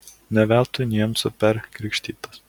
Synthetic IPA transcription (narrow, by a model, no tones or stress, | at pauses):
nʲɛʋʲɛˑlˠt̪ʊnʲiɛmsʊpʲɛɾkɾʲɪkʃʲt̪ʲiːt̪ɐs